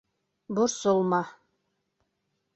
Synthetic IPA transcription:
bʊɾsolˠmɑ

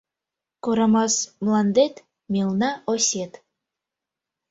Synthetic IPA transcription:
koɾɑmɑsmlˠɑnd̪et̪ | mʲilnɑʔosʲet̪

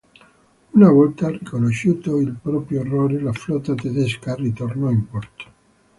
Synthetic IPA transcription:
unavɔlt̪arikonoʃːuːt̪oilpɾɔːpɾjoerːoːɾelaflɔt̪ːat̪ed̪eskarit̪ornɔimpɔrt̪o̥

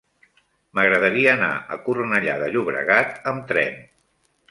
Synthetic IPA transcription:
məɣɾəðəɾiəːna̰ə̰kurnəʎaðəʎuβɾə̰ɣat̪əmt̪ɾɛ̰n

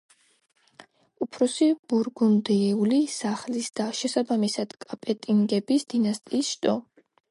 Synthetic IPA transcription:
upʰɾɔsib̥uɾɡɔmd̪ɛɛulisaχlisd̪̥aʃɛsabamisad̪̥kʼapʼɛt̪ʼiŋɡɛbisd̪̥inast̪ʼiːsʃt̪ʼɔ

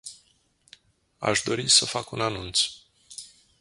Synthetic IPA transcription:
a̰ʃd̪o̞ɾisəfakunanunt̪s

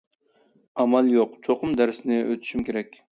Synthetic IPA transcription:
ɑmɑlˠjoqt͡ʃʰoqʊmd̪æɾsɪnɪøt̪ʰy̥ʃymkʲeɾɛkʲ

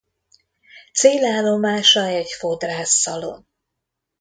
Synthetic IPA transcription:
t̪seːlaːlːo̞maːʃɒɛɟfo̞d̪raːsːɒlo̰n

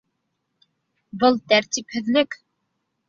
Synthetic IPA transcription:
bɤlˠt̪æɾt̪iphɵ̆ðlɘk

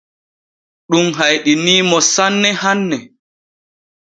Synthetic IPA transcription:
ɗumɦajɗiniːmɔsanːɛhanːɛ

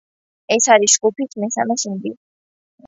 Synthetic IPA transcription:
ɛsaɾiʃkʼupʰit̪ʰmɛsamɛʃind̪i

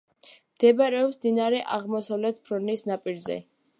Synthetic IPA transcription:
md̪ɛbaɾɛɔpsmd̪inaɾɛʔaʁmɔsavlɛt̪ʰpʰɾɔnisnapʼiɾzɛ̰

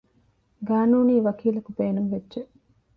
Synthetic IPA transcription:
ɡaːnuːniːʋɐkiːlɐkubeːnuŋʋedːʒeʔ

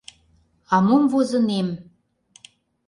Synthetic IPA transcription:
ɑmomvozɤ̆nem

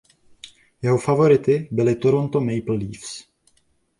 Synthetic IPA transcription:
jɛɦofavo̞ɾɪt̪ɪbɪlɪt̪oɾo̞nt̪omɛjpl̩liːfs

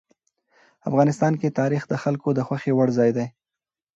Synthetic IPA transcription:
a̰fɣɑnɪst̪ɑnket̪ɑɾixd̪əxalkod̪əxwaxewaɽzɑjd̪aj

